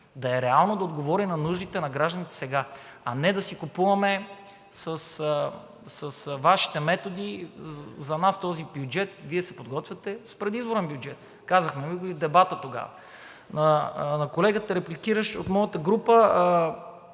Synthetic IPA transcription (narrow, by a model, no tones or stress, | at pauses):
d̪ɐɛɾɛalˠnod̪ɐod̪ɡovɔɾinɐnuʒd̪it̪ɛnɐɡɾaʒd̪ənit̪ɛ̥sɛɡa | ɐnɛd̪ɐsikupuvɐmɛ | səs | sɐsvaʃi̥t̪ɛmɛt̪od̪i | zɐnast̪ɔzibjud͡ʒɛt̪̚viɛsɛpod̪ɡɔt̪vʲjʲɐt̪ɛspɾɛd̪izboɾɛnbjud͡ʒɛt̪̚ | kazəxnɛviɡoivd̪ɛbat̪ət̪oɡa̰vɐ̰ | nɐnɐkolɛɡət̪əɾɛplikiɾəʃot̪mɔjət̪əɡɾupə